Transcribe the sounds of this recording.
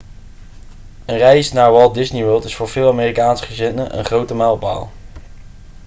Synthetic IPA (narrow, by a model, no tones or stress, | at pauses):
ənrɛjsnaːɹʋɑlˠdɪsniʋølˠtɪsfʊːɹv̥ɪːlˠameːrikaːnsə̥χəzɪnəʔə̰nχrowtəmɛlˠba̰ːlˠ